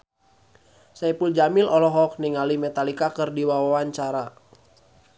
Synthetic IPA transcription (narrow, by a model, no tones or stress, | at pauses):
saipuld͡ʒamilʔɔlɔɦɔk̚niŋalimɛt̪alikakɨrdiwawawaɲt͡ʃaɾa